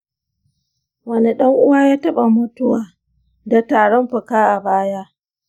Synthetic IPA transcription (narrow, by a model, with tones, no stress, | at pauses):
wɐ˦ne˨ɗɐ˦ŋʔʊ˦waː˦jaː˦tɐ˦ɓa˨mʊ˦tʊ˦waː˨ | da˨taː˨ɽɔ˦mɸʊ˨kaː˦ʔa˨baː˦jaː˦